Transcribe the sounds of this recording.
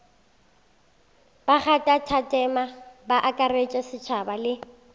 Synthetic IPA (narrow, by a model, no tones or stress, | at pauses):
b̥aχatʼatʰatʼɛmabaʔakʼaret͡ʃʼɛsɪt͡ʃʰabalɪ